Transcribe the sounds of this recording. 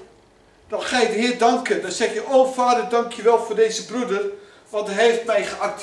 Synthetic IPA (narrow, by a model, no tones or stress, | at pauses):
d̥ɔtχaːjədəɦɪːdɑŋkəndɔsɛχjəʔoːfaːdərdɑŋkʰjəʋɛlˠfʊːrdejzəbrudər | ʋɑntəɦejftmɛjχəark̚t